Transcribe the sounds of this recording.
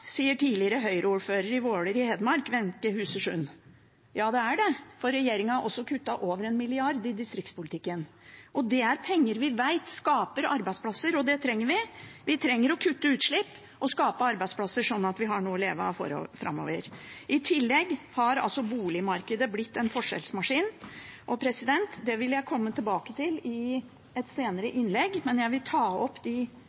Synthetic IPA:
siːəʈʰiːlɪəɾəɦœʏɾʔəuːɾføːɾəɾɪʋoːɽəɾɪhɛd̪mɑɾkʋɛnkəhʉːsəʂʉn | jɑːd̪ɛæɖɛfɔɾɛjeːɾɪŋɑʔɔsːɔkʰʉt̪ːɑʔoːʋəɾɛnmɪlɪɑɾd̪ɪd̪ɪst̪ɾɪkt̪spʊlɪt̪ɪkːən | ʔɔd̪ɛæɾpʰɛŋːəɾʋɪʋæɪt̪skɑːpəɾɑ̰ɾbæɪspʰlɑsːəɾɔd̪ɛt̪ʰɾɛŋːəɾʋɪʋɪt̪ʰɾɛŋːəɾɔkʰʉt̪ːəʉːt̪ʂɭɪpː | ʔɔskɑːpəɑɾbæɪspʰlɑsːəʂɔnːɑt̪ʋɪɦɑɳuːɔleːʋɑ̰fɔ̰ɾ̰fɾʔɑ̰mːo̰ːʋəɾʔɪt̪ʰɪlːɛɡːhɑɾɑ̰lsɔbuːlɪmɑɾkəd̪əblɪt̪ːɛnfɔʂɛ̰lsmɑʂiːnʔɔpʰɾɛsɪd̪ɛnt̪d̪ɛʋɪljæɪkʰɔmːət̪ʰɪlbɑːkət̪ʰɪlɪ | ɛt̪seːnəɾəʔɪnlɛɡmɛnjæɪʋɪlt̪ʰɑːɔpːd̪ɪ

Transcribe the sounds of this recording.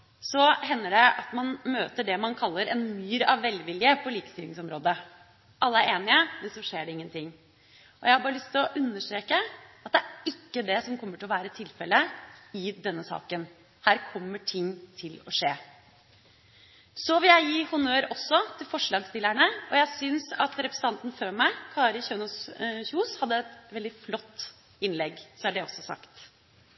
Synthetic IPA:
sɔɦɛnːəɖɛɑt̪mɑnmøːt̪əɖɛmɑnkʰɑlːəɾɛnmyːɾɑʋːɛlʋɪljəpʰɔliːkə̥st̪ɪlɪŋsɔmɾoːd̪ə | ʔɑlːəæɾeːnɪəmɛnsɔʂeːɖɛɪŋːənt̪ʰɪŋː | ɔjæɪhɑbɑːɾəlʏst̪ʰɪlɔʔʉnːəʂʈ̪ɾeːkəɑt̪̚d̪ɛæɾɪkːəd̪ɛsɔmkʰɔmːəʈʰɪlɔʋæːɾət̪ʰɪlfɛlːəɪd̪ɛnːəsɑ̰ːkən | hæːɾkʰɔmːəʈʰɪŋːt̪ʰɪlɔʂeː | sɔʋɪljæɪjiːhʊnøːɾɔsːɔt̪ʰɪlfɔʂɭɑːɡst̪ɪlːæɳəɔjæɪsʏnsɑt̪ɾɛpɾsn̩t̪ɑnt̪n̩føːmæɪkʰɑːɾɪçøːnusçuːshɑd̪ːəɛt̪ʋɛld̪ɪflɔt̪ː | ɪnlɛɡsɔæɖɛɔsːɔsɑ̰kt̪

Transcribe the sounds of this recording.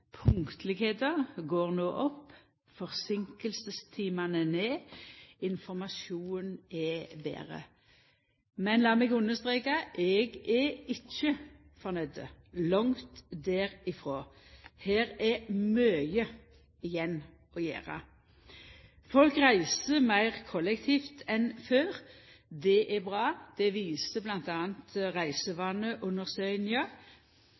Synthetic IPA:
pʰʊŋkt̪ʰlɪɡheːt̪əʁɡoːʁnoːʔɔpː | fɔʁsɪŋkəlsəst̪ʰiːmɑnəneːɪnfɔmɑsuːnɛbḛːʁə̰ | mɛnlɑːmɛɡʉnəst̪ʁeːkɑʔɛɡɛɪt͡ʃːə | fɔʁnɛd̪ə̰ | lɑŋt̪d̪ɛːɾɪfʁoːheːʁɛmøːjə | ɪjɛnː | ʔɔjæ̰ːʁɑ̰ | fɔlkʁæɪsəmæɪʁkʰɔlɛkt̪ʰiːft̪ʰɛnføːʁ | d̪ɛʔɛbʁɑːd̪̥ɛʋiːsəblɑnt̪ɑːənt̪ʁæɪsəʋɑːnəʔʉnəʁsœʏnjɑ

